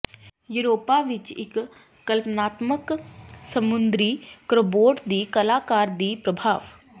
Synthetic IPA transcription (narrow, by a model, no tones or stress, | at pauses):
juːɾoːpaːʋɪt͡ʃɪ̰kː | əlpnaːt̪məksəmʊnd̪ɾiːkɾoboːʈd̪iːkəlaːkaːɾd̪iːpɾəbʱaːʋ